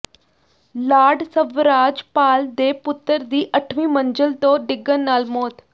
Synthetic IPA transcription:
laːɖsəʋɾaːd͡ʒpaːld̪eːpʊt̪ːəɾd̪iːʔəʈʰʋiːməɲd͡ʒəlt̪õːɖɪɡənːaːlmoːt̪

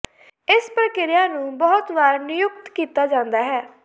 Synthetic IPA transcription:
ɪspɾəkɪɾɪjãːnũːbɔːt̪ʋaːɾnɪjʊk̚t̪kiːt̪aːd͡ʒãːnd̪aːɦɛː

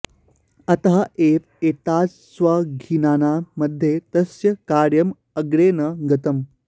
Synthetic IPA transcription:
ɐt̪ɦaʔeːt | eːt̪aːd͡z | sʋɐɡʱinaːnaməd̪ʱːjet̪ɐsjɐkaːɾjɐm | ɐɡɽeːnəɡɐt̪əm

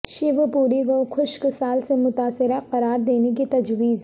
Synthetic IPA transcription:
ʃɪʋpuːɾiɡokʰʊʃksaːlsemʊt̪aːsɪɾaqɐɾaːɾd̪eːnek̬it̪ɐd͡ʒwiːz

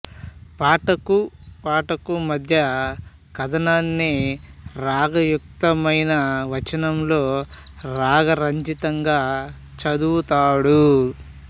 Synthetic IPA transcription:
paːʈɐkupaːʈɐkumɐd̪ʱjɐ | kɐd̪ɐnaːnːi | ɾaːɡɐjuk̚t̪ɐmɐjnɐʋɐt͡ʃɐnɐmlo̞ː | ɾaːɡɐɾɐɲt͡ʃit̪ɐŋɡaː | t͡ʃɐd̪uut̪aːɽu

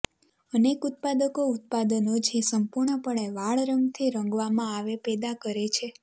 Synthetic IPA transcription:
ənekut̪̚pad̪əkout̪̚pad̪ənot͡ʃʰesəmpuɾɳəpəɭ̃eʋaɭɾəŋɡt̪ʰiɾə̃ŋɡʋamãaʋepɛd̪akəɾet͡ʃʰe

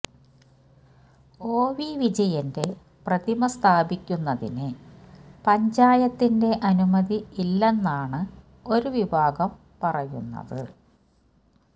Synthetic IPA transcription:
o̞ːʋiʋid͡ʑɐjɐnde̞ | prɐd̪imɐst̪ʰaːbikʲːunːɐðḭnɨ | pɐɲd͡ʑaːjɐt̪ːinde̞ʔɐnumɐðiilːe̞nːaːɳɨ | o̞ɾuʋibʱaːɡɐm | pɐrɐjṵnːɐ̰ðɨ

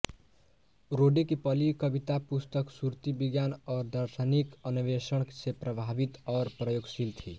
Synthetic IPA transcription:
ɾoɖekipʌlikʌbit̪apust̪əksuɾt̪ibiɡjanɔːɾd̪ʌɾsanikʌniʋesəɳksepɾəbʱabit̪ʌːɾpɾʌjoɡsilt̪ʰi

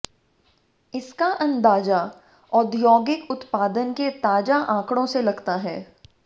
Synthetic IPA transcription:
ɪskaʔɐ̃nd̪aːd͡ʒa | ɔːd̪jɔːɡɪkʊt̪paːd̪ənket̪aːd͡ʒaʔãːkɽ̃õselɐɡt̪aɦɛː

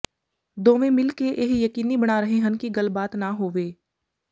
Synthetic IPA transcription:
d̪oːʋẽmɪlkeʔeɦjɐkiːnibɐɽ̃aːɾɐɦẽɦɐnkiɡɐlbaːt̪naɦoːʋeː

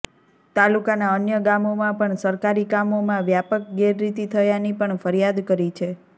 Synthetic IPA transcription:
t̪alukanaənjəɡamomãpəɳsəɾkaɾikamomãʋjapək̚ɡeɾːit̪it̪ʰəjanipəɳfəɾijad̪kəɾit͡ʃʰe

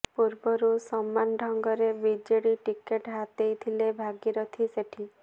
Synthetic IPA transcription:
puɾbɔɾusɔmːanɖʱɔŋɡɔɾebid͡ʒeɽiʈikeʈɦat̪ejt̪ʰilebʱaɡiɾɔt̪ʰiseʈʰi

